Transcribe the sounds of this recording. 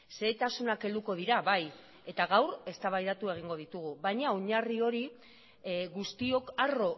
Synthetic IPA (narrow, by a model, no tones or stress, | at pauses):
se̞t̪asunake̞ld̪uko̞ð̞iɾaβaj | e̞t̪aɣawre̞st̪aβajðat̪ue̞ɣ̞iŋɡo̞ðit̪uɣuβajɲaoɲario̞ɾi | ɣust̪io̞karo̞